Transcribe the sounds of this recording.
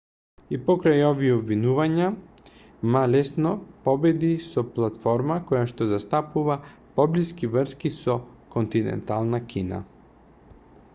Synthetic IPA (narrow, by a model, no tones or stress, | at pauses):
ipɔkɾajɔviɛɔbvinuvaɲa | malɛsnɔpɔbɛd̪isɔplˠat̪fɔɾmakɔjaʃt̪ɔzast̪apuva | pɔbliskivr̩skisɔ | kɔnt̪inɛ̰nt̪alˠnakʲina̰